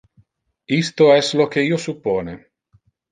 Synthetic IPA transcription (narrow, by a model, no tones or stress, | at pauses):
ist̪oɛslok̟eiːosupːoːne